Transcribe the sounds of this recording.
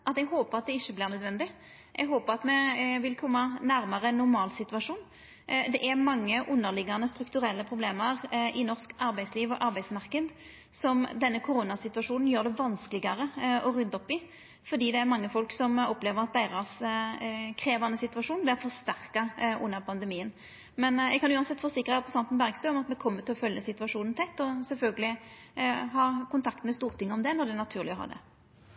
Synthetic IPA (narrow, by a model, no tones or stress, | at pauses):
ʔɑt̪ɛɡɦoːpəʁɑt̪̚d̪ɛɪçːəblɪːʁnœd̪ʋɛnd̪ɪ | ʔɛ̰ɡɦoːpəʁɑt̪mɛʋɪlkʰɔmːɑnæɾmɑʁənːʊɾmɑːlsɪt̪ʉʋɑʂuːn | d̪ɛʔæɾmɑŋːəʔʉnːəʁlɪɡːɑnəst̪ɾʉkt̪ʉɾɛlːəpʰʁʊbleːməʁʔɪnɔʁʂkɑɾbæɪsliːʋɔʔɑɾbæɪsmɑʁkəd̪ | sɔmd̪ɛnːəkʰʊɾʊːnɑsɪt̪ʉʋɑʂuːnn̩jøːʁd̪ɛʋɑnskəlɪɡɑʁəɔʁʉnd̪ɔpːɪ | fɔd̪iːd̪ɛæɾmɑŋːəfɔlksɔmɔpleːʋəɾɑt̪̚d̪æɪʁɑʁs | kʰʁeːʋɑnːəsɪt̪ʉɑʂuːnblɪʁfɔst̪æʁkɑʔʉ̰nːəʁpʰɑnd̪ɛmiːən | mɛnɛ̰ɡkɑnʉːɑnsɛt̪ːfɔʁsɪkːɾʁəɑt̪pʰəst̪ɑnt̪n̩bæʁɡst̪œːɔmɑt̪mɛkʰɔmːəʁt̪ɪlɔfœljəsɪt̪ʉɑʂuːnn̩t̪ʰɛt̪ːɔsɛlfœlɡəlɪ | ɦɑːkʰʊnt̪ʰɑkt̪mɛst̪uːʁt̪ʰɪŋːəɔmd̪ɛnɔʁd̪ɛænɑt̪ʰʉːʁlɪɔhɑ̰ːd̪ɛ̰